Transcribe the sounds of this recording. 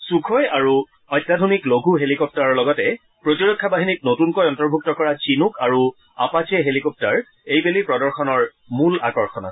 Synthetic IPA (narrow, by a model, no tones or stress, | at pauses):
sukʰɔjaɹu | ɔjtːadʱonikloɡʱuɦelikɔp̚taɹɔɹlɔɡɔtɛ | pɹotiɹɔkʰːabaɦinit̚notunkɔjɔntɔɹbʱuk̚tɔkɔɹat͡ɕinukaɹu | apat͡ʃɛɦelikɔp̚taɹ | ejbelipɹɔdɔɹxɔnɔɹ | mula̰kɔɹxɔna̰